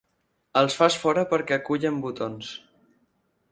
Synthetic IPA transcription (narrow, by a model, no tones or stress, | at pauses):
əlˠsfasfɔɾəpəɾkɛkuʎəmbut̪ons